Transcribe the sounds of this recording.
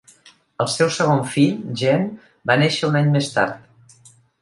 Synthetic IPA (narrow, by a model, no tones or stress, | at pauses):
əlˠsɛwsəɣoɱfiʎʒɛm | baneʃəunaɲmest̪a̰ɾt̪̚